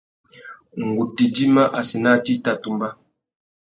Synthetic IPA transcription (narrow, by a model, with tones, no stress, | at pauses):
ŋ̩˨ɡu˨ti˨d͡ʒi˦ma˦ʔa˨si˨na˦˨ti˦ta˦tu˨mba˦